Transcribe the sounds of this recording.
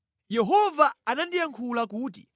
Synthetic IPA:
jɛɦɔvaanandijaŋkʰulakuːtḭ

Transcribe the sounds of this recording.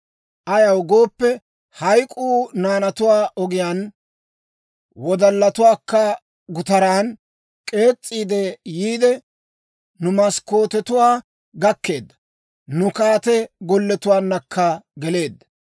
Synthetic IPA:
ʔɐjɐwɡoːpːɛ | hɐjkʼuːnaːnɐt̪ʊwaːʔɔɡɪjaːn | wɔd̪ɐlːɐt̪ʊwaːkːɐ | ɡʊt̪ɐɾaːn | kʼe̞ːt͡sʼːiːd̪ɛjiːd̪ɛ | nʊmɐsko̞ːt̪ɛt̪ʊwaː | ɡɐkːe̞ːd̪ːɐ | nʊkaːt̪ɛɡɔlːɛt̪ʊwaːnːɐkʰːɐɡɛle̞ːd̪ːɐ

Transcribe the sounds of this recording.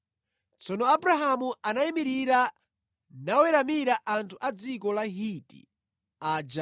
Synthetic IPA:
t͡sɔnɔabɾaɦamuanaimiɾiɾa | nawɛɾamiɾaʔantʰuʔad͡zikɔlaɦitḭ | ad͡ʒa

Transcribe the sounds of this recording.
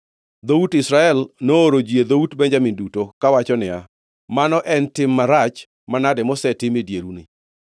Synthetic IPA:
d̪outɪsɾaɛlnooɾod͡ʒied̪outbɛnd͡ʒamɪndutokawat͡ʃɔnɪa | manɔʔɛntɪmːaɾat͡ʃ | manadɛmɔsɛtɪmɪdjeɾunɪ̰

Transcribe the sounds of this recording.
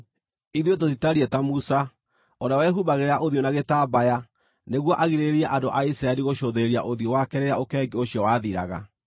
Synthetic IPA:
iðiot̬oðitaɾiɛtamusa | ɔnawɛɦuβaɣeɾaʔoðjonaɣetaːbaja | neɣwɔʔaɣiɾeɾiɛʔandoʔaisɾaeɾiɣoɕoðeɾia̰ʔoðjowakɛɾeɾaokɛɡeoɕiɔwaðiɾa̰ɣa̰

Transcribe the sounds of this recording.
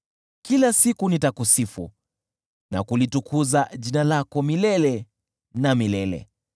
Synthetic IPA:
kilasikunitakusifṵ | na̰kulitukʰuzaʄinalakɔmilɛlɛ | namilɛlɛ̰

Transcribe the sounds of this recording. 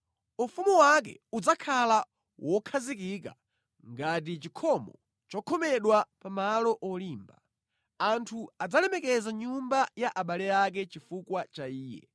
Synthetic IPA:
ufumuwak̬ɛ̰ud͡zakʰala | wʔɔkʰazikika̰ | ŋɡat̬it͡ʃikʰɔmɔ̰ | t͡ʃɔkʰɔmɛɗwapamalɔʔɔliːmba | antʰuad͡zalɛmɛkɛzaɲumbajaʔaɓalɛak̬ɛt͡ʃifukwat͡ʃaiːjɛ̰

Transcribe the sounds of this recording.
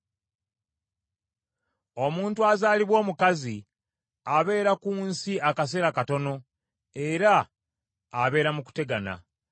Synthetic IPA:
o̞muːntuazaːliβwo̞ːmukazi | aβe̞ːɾakuːnsiakas̬eɾakato̞no̞ | eɾaː | βe̞ːɾamuku̥te̞ɡana̰

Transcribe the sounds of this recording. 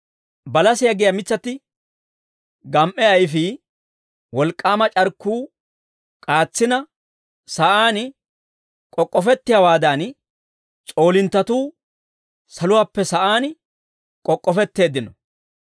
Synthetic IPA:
bɐlɐsɪjɐɡɪjɐmɪt͡sːɐt̪ːɪ | ɡɐmʔɛɐjfɪ | wɔlkʼːaːmɐt͡ʃʼɐɾkːuː | kʼaːt͡sːɪnɐ | sɐʔaːn | kʼɔkʼːɔfɛt̪ːɪjɐwaːd̪aːn | t͡sʼo̞ːlɪnt̪ːɐt̪uː | sɐlʊwaːpːɛsɐʔaːn | kʼɔkʼːɔfɛt̪ːe̞ːd̪ɪnɔ

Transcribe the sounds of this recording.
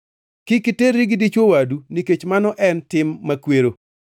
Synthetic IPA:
kɪkiteɾiɡdit͡ʃwowaduniket͡ʃmanɔʔɛntɪmːakweɾo

